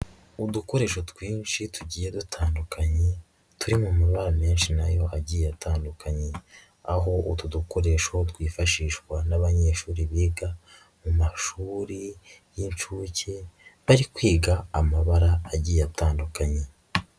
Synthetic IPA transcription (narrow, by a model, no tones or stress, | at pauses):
uduko̞ɾe̞ʃo̞twiːnʃituɟiːjedutʰaːndukʰaɲe | tʰuɾimumaβaɾame̞ːnʃinajo̞ʔaɟiːjjatʰaːndukʰaɲe̞ | aɦo̞ʔutuduko̞ɾe̞ʃo̞twiːfaʃiːʃkwanaβaɲe̞ːʃuːɾiβiːɡa | mumaʃuːɾijint͡ʃuːce̞βaɾikwiːɡaːmaβaɾaːɟiːjejataːndukaɲe̞